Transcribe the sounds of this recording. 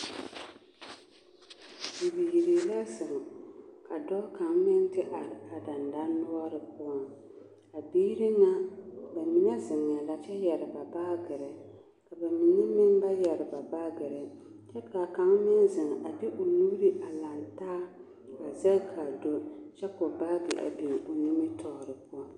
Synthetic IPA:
bi˨bi˨ji˨ɾi˨la˦sɨ˨ŋ˨ka˨dɔ˦ka˨ŋmɪ˦n˦tɪ˦ʔa˨ɾɪ˨a˨da˨nda˦nʊ˦a˦ɾɨ˨pʊ˦a˦ŋ | a˨biː˦ɾi˦ŋa˦ba˨mi˨nɛ˦zɪ˨ŋːa˨la˨t͡ʃɛ˦jɛ˨ɾɪ˨ba˨baː˦ɡɨ˨ɾɛ˨ | ka˨ba˨mi˨nɛ˦mɪ˦nba˦jɛ˨ɾɪ˨ba˨baː˦ɡɨ˨ɾɨ˨ | t͡ʃɛ˦ka˨ka˨˦ŋmɪ˦nzɪ˨ŋ˨ʔa˨dɪ˦ʔʊ˨luː˦ɾi˦ʔa˨la˨ntaː˦ | ka˨zɛ˦kʰa˨do˦t͡ʃɛ˦kʊ˨ba˦ɡɪ̰˨ʔa̰˨bi˨ŋʊ˨ni˦mɪ˦tʰɔ˨ɾɨ˨pʊ˦ɔ˦ŋ

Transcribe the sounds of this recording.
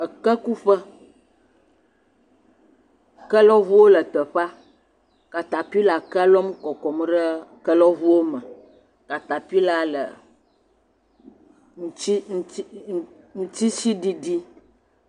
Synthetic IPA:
ə˨kə˦ku˦ɸə˦ | kə˦lɔ˦βu˦wo˦lə˨t̪ə˨ɸa˦ | ka˨t̪a˨pi˦la˨kə˦lɔ˦m˦kɔ˨kɔ˨m˦ɖə˦kə˦lɔ˦vu˦wo˦mə˨ | ka˨t̪a˨pi˦la˦lə̰˨ | ŋũ˨i˦ŋ˦ | ŋũ˦t̪i˦si˦ɖi˦ɖi˦

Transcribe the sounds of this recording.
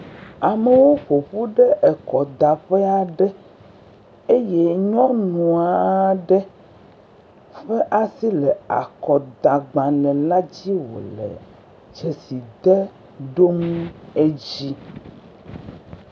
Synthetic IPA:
a˨me˨wo˦ɸo˨ɸu˦ɖɛ˦ʔɛ˨kɔ˨d̪a˨ɸɛ˦a˨ɖɛ˦ | e˦je˦ɲɔ̃˦nũ˨a˨ɖɛ˦ | ɸe˦ʔa˦si˦lɛ˨a̰˨kɔ˨d̪a˨ɡ͡bã˨lɛ̃˨la˦d͡ʑi˦wo̰˨lɛ̰˨ | d͡ʒe˨si˨d̪ɛ˦ | ɖo˦mũ˦e˦d͡ʑi˦

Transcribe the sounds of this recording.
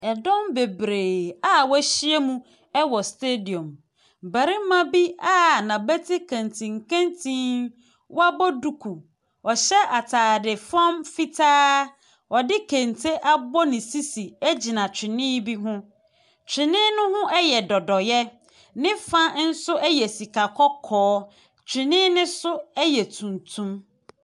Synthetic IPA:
ɛ˨dɔ̃˦mbe˨bɾeː˨a˦wæ˦ɕi˦e˦mũ˦ | ɛ˦wɔ˨ste˦di˨ɔ̃˨m | bæ˨ɾi˦mã˦bi˦a˦nã˨bɛ˦tʰi˦kʰã˨ntʰĩ˨ŋ˨kʰã˦ntʰĩ˦n | wa˦bɔ˦du˨kʰu˨ | ɔ˨ɕɛ˦ʔa˨tʰaː˨dɪ˨fɔ̃˦mfi˦tʰaː˦ | ɔ˨dɪ˦kʰẽ˨ntʰe˦ʔa˦bɔ˦nɪ̃˨si˦si˨æ˦d͡ʑi˨nã˨t͡ɕʰᶣɪ˨nɪ̃˦bi˦ɦʊ̃˦ | t͡ɕʰᶣɪ˨nɪ̃˦nʊ̃˦ɦʊ̃˦ʔɛ˦jɛ˨dɔ˨dɔ˨jɛ˦ | nɪ̃˦fã˦n̩˦sʊ˦ɛ˦jɛ˨si˨kʰa˨kʰɔ˦kʰɔː˨˦ | t͡ɕᶣʰɪ˨nɪ̃˦nɪ̃˦sʊ˦ɛ˦jɛ˨tʰũ˨ntʰũ˦m

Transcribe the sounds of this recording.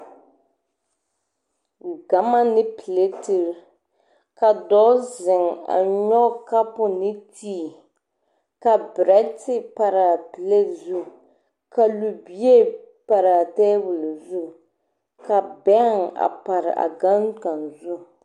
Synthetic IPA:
ɡa˨ma˦nɪ˦pi˨le˦ti˨ɾ | ka˨dɔ˦zɪ˨ŋa̰˨ɲɔ˦ka˦pʊ˨nɪ˦tiː˦˨ | ka˨bɾɛ˦tɪ˦pa˨ɾa˨pi˨le˦zu˦ | ka˨lu˨bi˦e˦ | pa˨ɾa˨tɛː˦bʊ˨lzu˦ | ka˨bɛ˦ŋa̰˨pa˨ɾɪ̰˨ʔa̰˨ɡa˦nka˨nzu˦

